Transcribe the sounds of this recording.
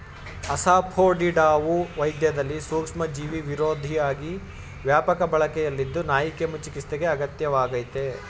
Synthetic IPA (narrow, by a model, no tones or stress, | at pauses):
ɐsaːpʰoːɖiɖaːʋuʋɐjd̪jɐd̪ɐlːisuːkʂmɐd͡ʒiːʋiʋiɾoːd̪ʱijaːɡi | ʋjaːpɐkɐbɐɭɐkɛjɐlːid̪ːunaːjikemut͡ʃikist̪eɡe̞ɐɡɐt̪jɐʋaːɡɐjt̪e